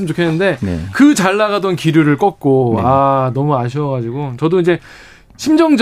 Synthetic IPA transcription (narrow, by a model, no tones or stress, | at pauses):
ɯmt͡ɕokʰe̞nːɯnde̞kɯt͡ɕaɭːaɣadʌnkiɾjuɾɯɭk͈ʌk̚k͈oanʌmuaɕ̬ʰiʌɣad͡ʑiɡot͡ɕʌdoid͡ʑe̞ | ɕʰimd͡ʑʌŋd͡ʑ